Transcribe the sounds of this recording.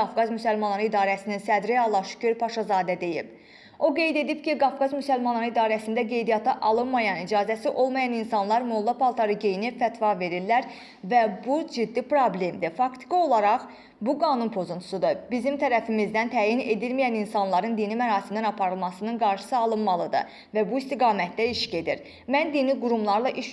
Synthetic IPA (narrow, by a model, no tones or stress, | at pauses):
ɑfɡɑzmysælmɑnlːˠɑɾɯid̪ɑːɾæsininsæd̪ɾiɑlˠːɑʃy̥cʰyɾpʰɑʃɑzɑːd̪æd̪e̞jḭb̥ | o̞ɡe̞jd̪e̞d̪ibciɡɑfɡɑzmysælmɑnlːˠɑɾɯid̪ɑːɾæsind̪æɡe̞jd̪ijɑt̪ʰɑʔɑlˠɯnmɑjɑnid͡ʒɑːzæsiʔo̞lˠmɑjɑninsɑnlˠɑɾmolˠːɑpʰɑlˠt̪ʰɑɾɯɟejnifæt̪vɑve̞ɾillːæɾ | væbud͡ʒid̪ːipɾoble̞md̪ifɑkt̪ʰi̥kɑo̞lˠɑɾɑʁ | buɡɑːnunpʰo̞zunt̪ʰu̥sud̪ɯbizimt̪ʰæɾæfimizd̪ænt̪ʰæːjine̞d̪ilmijæninsɑnlˠɑɾɯnd̪inimæɾɑːsimd̪ænɑpʰɑɾɯlˠmɑsɯnɯnɡɑɾʃɯ̥sɯɑlˠɯnmɑlˠɯd̪ɯ̰ | væbuist̪iɡɑːmæt̪̚d̪æiʃɟe̞d̪iɾ | mænd̪iniɡuɾumlˠɑɾlˠɑʔiʃ